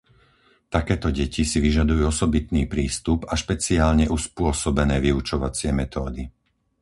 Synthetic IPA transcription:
t̪akɛːt̪ɔɟɛcisiʋiʒad̪ujuːɔsɔbit̪niːpɾiːst̪upaʃpɛt͡siaːlɲɛʔuspʊɔsɔbɛnɛːʋiut͡ʃɔʋat͡sɪɛmɛt̪ɔːd̪i

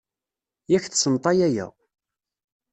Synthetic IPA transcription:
jæçθsənt̪ˤɑjæjæ̰

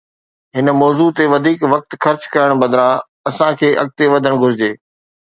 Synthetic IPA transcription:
ɦɪnəmɔːzut̪eʋɐd̪ʱiːkʋɐk̚t̪xɐɾt͡ɕkɐjəɽ̃bɐd̪ɾã | ɐsãkʰeːʔɐ̰ɡ̚t̪eʋɐd̪ʱəɽ̃ɡʱʊɾɪd͡ʑeː

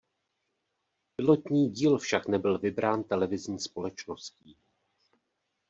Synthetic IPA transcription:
pɪlo̞t̪ɲiːɟiːlfʃaknɛbɪlvɪbɾaːnt̪ɛlɛvɪzɲiːspo̞lɛt͡ʃnosciː

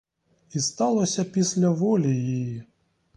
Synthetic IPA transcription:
ist̪alˠɐsʲɐpʲisʲlʲɐvɔlʲijiji

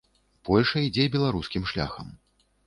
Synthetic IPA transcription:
pɔlʲʂɐid͡zʲɛbʲɛlˠaɾuskʲimʂlʲa̰xɐ̰m

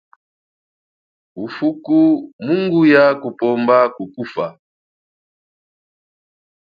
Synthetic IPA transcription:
ufukumuŋɡujakupɔmbakukufa

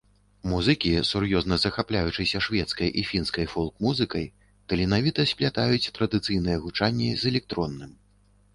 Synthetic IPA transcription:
muzɨkʲisurjɔznɐzɐxaplʲajut͡ʂɨsʲɐʂvʲɛt̪skɐjʔifʲinskɐjfɔlˠkmuzɨkɐj | t̪ɐlʲinavʲit̪ɐsʲpʲlʲat̪ajut͡sʲt̪ɾɐd̪ɨt̪sɨjnɨjɛɣut͡ʂanʲːɛzɛlʲɛk̚t̪ɾɔnːɨm

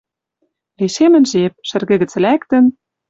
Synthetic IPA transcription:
liʃemɘ̆nʒep̚ʃɘ̆rɣɘ̆ɣɘ̆t͡s̆lækt̪ə̆n

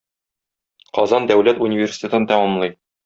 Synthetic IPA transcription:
qɒzɑnd̪æwlæt̪unʲivʲersʲi̥t̪ʲet̪ɤnt̪ɒmɒmlˠɤj

